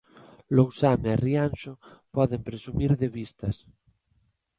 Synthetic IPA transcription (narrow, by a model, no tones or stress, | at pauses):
lowsamerianʃopɔðempɾesumiɾðeβist̪as